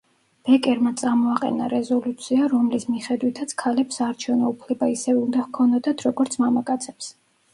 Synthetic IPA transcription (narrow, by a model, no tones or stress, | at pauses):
b̥ɛkʼɛɾmat̪sʼamɔaqʼɛ̰naɾɛzɔlut̪sʰiaɾɔmlismiχɛd̪wit̪ʰat̪sʰkʰalɛpsaːɾt͡ʃʰɛvnɔupʰlɛbaisɛvɛund̪ahkʰɔnd̪ad̪at̪ʰɾɔɡɔɾt̪sʰmamakʼat̪sʰɛ̥ps